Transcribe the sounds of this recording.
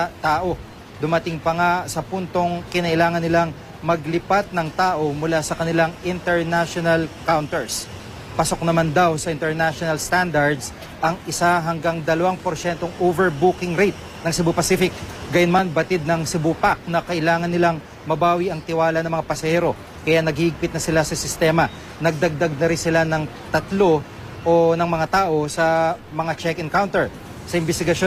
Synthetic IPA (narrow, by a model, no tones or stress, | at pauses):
t̪aːʔo̞ | d̪ʊmɐt̪ɪŋpɐŋasɐpunt̪o̞ŋkɪnɐʔɪlaːŋɐnːɪlaŋ | mɐɡlɪpat̪̚nɐŋt̪aːʔo̞mʊlasɐkɐnɪlaŋɪnt̪ɛɹnaʃonɐlkawnt̪ɛɹs | pɐso̞k̚nɐmand̪awsɐʔɪnt̪ɛɹnaʃonɐlst̪and̪ɐɹd̪s | ʔɐŋʔɪsaɦɐŋɡaŋd̪ɐlɐwaŋpoɾʃɛnt̪o̞ŋovɛɹbukɪŋɾɛjt̪̚ | nɐŋsɪbupɐsifɪk̚ɡɐjʊnmanbɐt̪ɪd̪̚nɐŋsɪbupak̚nɐkɐʔɪlaːŋɐnːɪlaŋ | mɐbaːwiɐŋt̪ɪwaːlɐnɐŋmɐŋapɐsɐhɛːɾo̞ | kɐjaʔnɐɡiːʔɪɡ̚pɪt̪̚nɐsɪlasɐsɪst̪ɛːmɐ | nɐɡ̚d̪ɐɡ̚d̪ɐɡ̚nɐɾɪnsɪlanɐŋ | t̪ɐt̪lo | ʔonɐŋmɐŋat̪aːʔo̞sɐmɐŋat͡ʃɛkɛnkawnt̪ɛɹ | sɐʔɪnbɛst̪ɪɡɐʃo